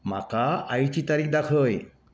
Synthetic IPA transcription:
m̤a̰kaːjt͡ɕit̪aɾik̚ʰd̪akʰəj

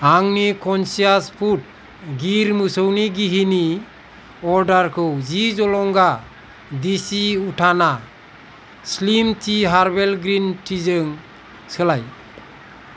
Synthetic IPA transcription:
aŋnikʰɔnsijaspʰut̚ | ɡiɾmɯsəwniɡiɦini | ɔɾɖaɾkʰɯwd͡ʒid͡ʒɔlɔŋɡa | d̪isiuʈʰana | slimtiɦaɾbelɡɾinʈʰizɯŋ | səlaj

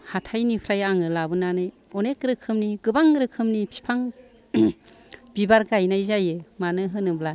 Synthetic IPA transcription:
hatʰajnipʰɾajaŋɯlabɯnanɯj | ɔnekɾɯkʰɯmniɡɯbaŋɾɯkʰɯmnipʰi̥pʰaŋ | b̥ibaɾɡajnajzajɯmanɯɦɯnɯbla

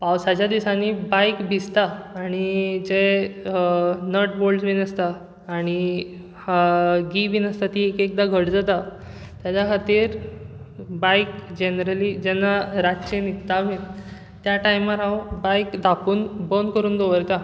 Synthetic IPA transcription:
pawsat͡ɕjad̪isanːibajkbʱist̪aːɽ̃id͡ʑe | nəʈbolɖsbʱinəst̪aː | ɽ̃i | haɡibʱiːnəst̪at̪iekek̚d̪aɡʱəɽd͡zat̪a | t̪jat͡ɕakʰat̪iːɾ | bajkd͡ʑenɾəlid͡ʑɛnːaɾaɕenit̪ːaʋe | t̪jaʈajmaɾãwbajkd̪ʱapuːnbənkəɾuːnd̪oʋəɾt̪a

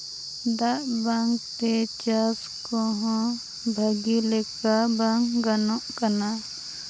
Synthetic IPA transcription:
d̪aʔbaŋkt̪et͡ʃas | kɔɦɔ̃ | bʱəɡilɛkabaŋɡanɔ̃ʔkana

